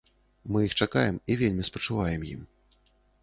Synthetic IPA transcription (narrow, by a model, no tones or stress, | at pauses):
mɨjixt͡ʂakajɛmivʲelʲmʲispɐt͡ʂɨvajɛmjḭm